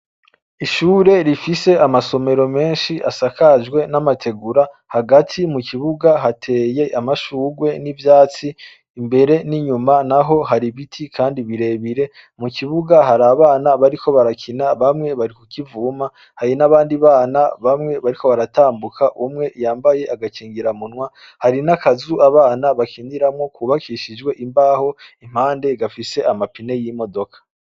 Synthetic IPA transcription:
iʃuːɾe̞ɾifise̞amaso̞me̞ɾo̞me̞ːnʃiʔasakad͡ʒɡwe̞namatʰe̞ɡuɾa | haɡatʰimukʰiβuɡaɦatʰe̞ːje̞ʔamaʃuːɡwe̞nivjaːt͡siː | mbe̞ɾe̞niɲumanaɦo̞ɦaɾiβitʰikʰaːndiβiɾe̞βiɾe̞ | mukiβuɡaɦaɾaːβaːnaβaɾikʰo̞βaɾakʰinaβamŋe̞βaɾikukivuːma | haɾinaβaːndiβaːnaβamŋe̞βaɾiko̞βaɾataːmbukʰaʔumŋe̞ʔjaːmbajeʔaɡakiːŋɡiɾamunwa | haɾinakazuʔaβaːnaβakʰindiɾamŋo̞kuβakʰiʃid͡ʒɡwe̞ʔimbaːho̞im̥haːnde̞ɡafise̞ʔamapine̞jimo̞do̞kʰḁ

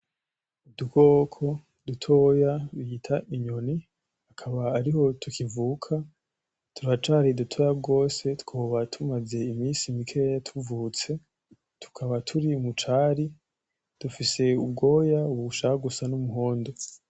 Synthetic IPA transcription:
uduko̞kʰo̞ | dutʰo̞jaɾiitʰaʔiɲo̞ni | hakʰaβaːɾiho̞tukʰivuːkʰa | tʰuɾat͡ʃaːɾidutʰo̞ːjabɡo̞ːse̞tkoβatʰumaze̞imiːsimikʰejatʰuvut͡se̞ | tʰu̥kʰaβatʰuɾimut͡ʃaːɾi | d̥ufise̞ubɡo̞ːjauβuʃahaɡusanumuɦoːndo̞

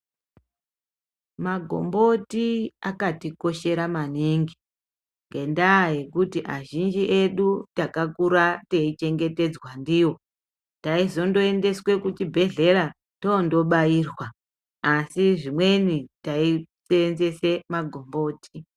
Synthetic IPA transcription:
maɡʱo̞̰mbo̞tiakatiko̞ʃe̞ɾamaneŋɡi | ŋɡe̞ndaje̞kutiʔaʒind͡ʒiʔe̞ɗutakakuɾateit͡ʃe̞ŋɡe̞te̞d͡zwandiwo̞ | taizo̞ndo̞ende̞swe̞kut͡ʃibʱe̞ɮe̞ɾa | tondo̞ɓaiːrwaː | siʐimwe̞nitaiseenze̞se̞maɡʱo̞mbo̞ːti

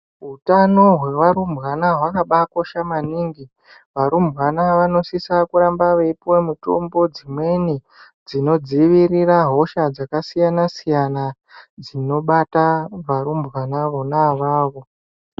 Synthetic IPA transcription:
ɦutano̞ɦwewaɾumbwanaɦwakaɓako̞ʃamaniŋɡi | ʋaɾumbɣanaʋano̞sisakuɾambaʋeipuwamuto̞̰mbo̞d͡zimwe̞ni | d͡zino̞d͡ziʋiriraɦo̞ʃad͡zakasijanasijana | d͡zino̞ɓataʋaɾumbwanaʋo̞naʋaːʋo̞

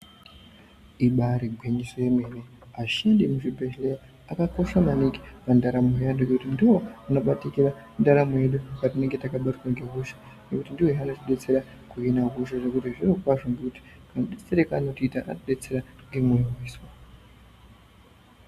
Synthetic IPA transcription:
iɓaɾiɡʱweɲiso̞je̞mene | aʃandimuʐibʱeʃleja | akako̞ʃamaniki̥pandaɾamojandoɡekutindiwo̞ano̞ɓatikiɾa | ndaɾamojeɗupat̬ine̞ŋɡe̞takaɓatikwaŋɡeɦuʃḁ | nekutindiwoanotiɗe̞t͡se̞ɾa | kuinaɦuʃaʐe̞kutiʐirokwaʐoŋɡekuti̥kanɗit͡seɾekaːnotiitaʔa̰noɗe̞t͡se̞ɾaŋɡemujimiːswa

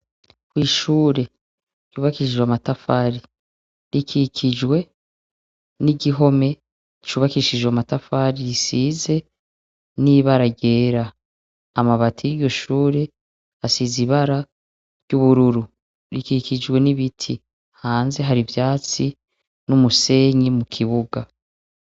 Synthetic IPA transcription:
kwiːʃuːɾe̞ | juːβakiʃiʒwamatafaɾi | ɾikʰikʰid͡ʒwe̞ | niɟiɦo̞me̞ | t͡ʃuːβakiʃid͡ʒwamatafaɾijisiːze̞ | niβaɾaɟeːɾa | amaβatʰijiɾjo̞ʃuːɾe | asiziβaɾa | ɾjuβuɾuɾu | ɾikikid͡ʒwe̞niβitʰi | haːnze̞ɦaɾivjaːt͡si | numuse̞ːɲimukʰiβuɡa

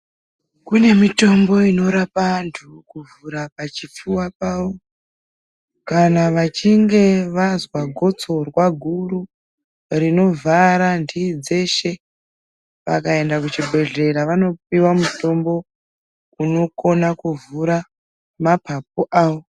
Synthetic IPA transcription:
kune̞mito̞mbo̞ino̞ɾapantʰukuvuɾapat͡ʃip͡fuwapawo̞ | kanaʋat͡ʃiŋɡe̞ʋazwaɡʱo̞t͡so̞rwaɡʱuru | rino̞vaɾandid͡ze̞ʃe̞ | ʋa̰kae̞ndakut͡ʃibʱe̞ɮe̞ɾaʋano̞p̚iwamuto̞mbo̞ | uno̞ko̞nakuvuɾa | mapʰap̚oʔaːwo̞

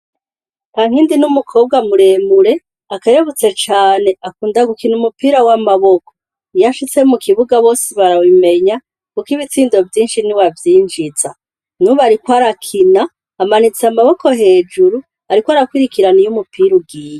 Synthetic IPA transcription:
taŋ̥hiːndinumukʰo̞ːb̚ɡamuɾe̞ːmuɾe̞ | akajoβut͡se̞t͡ʃaːne̞akuːndaɡukinumupiːɾawamaβoko̥ | jaʃit͡semukʰiβuɡaβo̞ːsiβaɾawime̞ɲa | kukiβit͡siːndo̞vjiːnʃiniwavjiːnd͡ʒit͡sa̰ | nuβaɾikwaɾakʰinaː | manit͡samaβoko̞ɦe̞ːd͡ʒuɾu | aɾikwaɾakwiɾikiɾanijumupiɾuɡiːja

